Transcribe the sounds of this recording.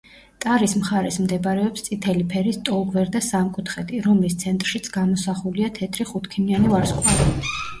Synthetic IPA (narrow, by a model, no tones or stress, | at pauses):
t̪ʼaɾismχaɾɛsmd̪ɛbɾɛɔpst̪sʼit̪ʰɛlipʰɛɾist̪ʼɔlˠɡvɛɾd̪asamkʼut̪ʰχɛt̪ʰʼiɾɔmlist̪sʰɛnt̪ʼɾʃit̪sʰɡ̥amɔsaχuliat̪ʰɛt̪ʰɾiχut̪ʰkʰinianivaɾskʼwaɾi